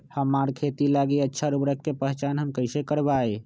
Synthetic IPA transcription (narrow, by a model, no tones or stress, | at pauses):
həmaɾkʰet̪ilaɡiətːʃʰaɾubɾəkkepə̃ɦt͡ʃaːnɦəmkəɪsekəɾbae